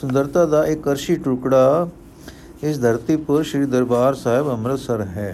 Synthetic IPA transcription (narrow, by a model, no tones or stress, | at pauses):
sʊ̃nd̪əɾt̪ad̪aʔekːɐɾʃiʈukɽa | ɪs̬d̪ʱəɾt̪ipəɾʃɾiːd̪əɾbaːɾsaːɦɪbɐmɾət̪səɾɦɛː